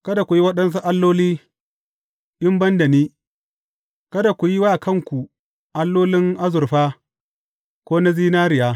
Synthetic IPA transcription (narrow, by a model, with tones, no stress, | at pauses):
kɐ˦da˨kʷu˨ji˦wɐ˦ɗɐ˦ns̬u˦ʔa˦lːoː˦liː˦ | ʔɪ˦mbɐ˦ndɐ˨niː˦ | kɐ˦da˨kʷu˨ji˦wa˦˨kɐ˦˨ŋkʷu˨ | ʔa˦lːoː˦lɪ˦ŋʔa˦zʊ˨ɾɸaː˦ | kʷoː˦na˦ziː˦naː˦ɾɪ˨jaː˦